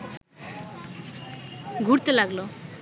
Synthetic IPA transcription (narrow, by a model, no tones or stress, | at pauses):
ɡʱuɽt̪elaɡlo